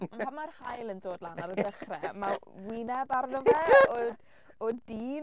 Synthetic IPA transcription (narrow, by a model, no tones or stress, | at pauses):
amarhajlˠəndoːdlˠanaɾədəχrɛmawinɛðaɾnʊŋɛɔ | ɔdiːn